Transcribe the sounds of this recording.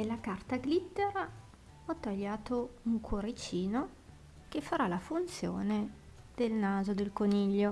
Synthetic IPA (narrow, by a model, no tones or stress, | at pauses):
d̪elːakart̪aɡlit̪ːeɾa | ɔt̪ːaʎːaːt̪ouŋkʰwoɾet͡ʃiːno | kefːaɾalafunt̪sjo̰ːne | d̪̥elnaːzod̪elkoniʎːo